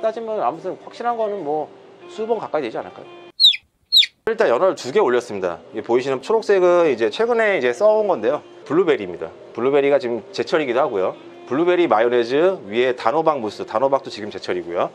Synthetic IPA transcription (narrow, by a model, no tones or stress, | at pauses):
t͈ad͡ʑimʌnamutʰɯnɸwak̚ɕ͈iɾɦanɡʌnɯnmwʌsʰubʌnkak͈aidwe̞d͡ʑia̰nɯ̰ɭk͈a̰jo | kɾiɭt͈ajʌnaɾɭtuɡe̞oʎːʌs͈ɯmɲida̰iɡepoiɕʰinɯnt͡ɕʰoɾok̚s͈e̞ɡɯnid͡ʑe̞t͡ɕʰwe̞ɡɯne̞id͡ʑe̞s͈ʌonɡʌnde̞jopuɭːube̞ɾimɲida̰ | puɭːube̞ɾiɡat͡ɕiɯmt͡ɕe̞t͡ɕʰʌɾiɡidoɦaɡojo | puɭːube̞ɾimajone̞d͡ʑɯɥiɦe̞tanobaŋmus͈ʰɯtanobak̚t͈ot͡ɕiɡɯmt͡ɕe̞t͡ɕʰʌɾiɡojo